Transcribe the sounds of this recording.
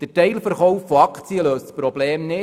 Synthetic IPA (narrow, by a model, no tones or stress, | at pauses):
d̥əɾtɛjlfəɾχɔwfːoɑkt͡siəløːstspɾɔbleːmnɪ